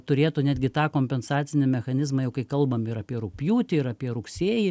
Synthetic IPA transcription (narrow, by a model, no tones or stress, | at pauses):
t̪ʊɾʲeːt̪ʊnʲæːd̪ʲɡʲɪt̪ɑːkoːmʲpʲɛnsɑːtt͡ssʲɪnʲɪmʲɛxɐnʲɪzmɑːjɛʊkɐɪkɐlˠbɐmɪɾɐpʲiɛɾʊpʲjuːt̪ʲɪɪɾɐpʲiɛɾʊksʲeːji